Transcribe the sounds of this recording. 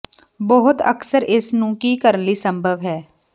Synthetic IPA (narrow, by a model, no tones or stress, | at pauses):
bɔɦʊt̪ə̰ksəɾɪsnũːkiːkəɾənliːsə̃mbʱəʋɦɛː